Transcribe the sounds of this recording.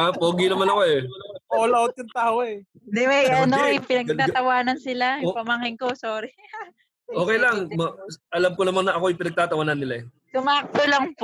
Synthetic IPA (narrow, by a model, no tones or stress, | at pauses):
apoːɡinɐmanɐko̞ɛpɐolɐot̪̚jʊŋt̪aːoɛ | d̪ɛwɛjɐnojpɪnɐɡ̚t̪aːt̪ɐwaːnɐnsɪlaɪpɐmɐŋɪŋkosoːɾɪ | ʔoːkɛjlɐŋmɐʔɐlamkonɐmanːɐɐkoɐjpɪnɐɡ̚t̪aːt̪ɐwaːnɐnːɪlaɛ | sʊmaːk̚t̪olɐŋp